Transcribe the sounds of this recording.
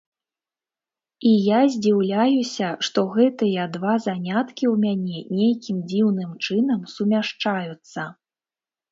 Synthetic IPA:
ijazʲd͡zʲiwlʲajusʲɐʂt̪ɔɣɛt̪ɨjɐd̪vazanʲat̪kʲiwmʲanʲɛnʲejkʲimd͡zʲiwnɨmt͡ʂɨn̪ɐmsumʲaʂt͡ʂajut̪sːɐ

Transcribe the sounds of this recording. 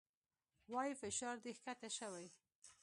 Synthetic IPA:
wɑjifɪʃɑɾd̪ihkat̪aʃawaj

